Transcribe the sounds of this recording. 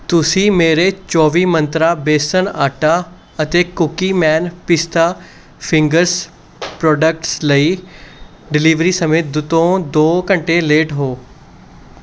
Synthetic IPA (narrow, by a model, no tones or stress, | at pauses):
t̪ʊsĩːmeːɾet͡ʃɔːʋiːmə̃nt̪ɾabeːsənaːʈa | ɐt̪ekʊkimɛːnpɪst̪ʰaː | pʰɪ̃ŋɡəɾs | pɾɔːɖək̚ʈsləiː | ɖɪliːʋɾiːsəmeːt̪̚d̪ʊt̪õːd̪oːkə̃ɳʈeleːʈɦoː